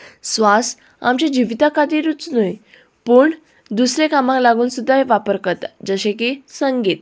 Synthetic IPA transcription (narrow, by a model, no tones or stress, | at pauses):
sʋas | a̰mt͡ɕed͡ʑiʋt̪akad̪iɾut͡snuj | pəːɳ | d̪usɾekamãklaɡuːnsud̪ʱːajʋapəɾkət̪d͡zəɕẽkisəŋɡiːt̪̚